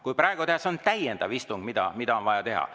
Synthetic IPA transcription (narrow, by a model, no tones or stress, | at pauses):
kujprɑeɡut̪eɑseont̪æjend̪̥ɑvist̪uŋɡ̥mid̪̥ɑ̰mid̪̥ɑo̞nvɑjɑt̪e̞hɑ̰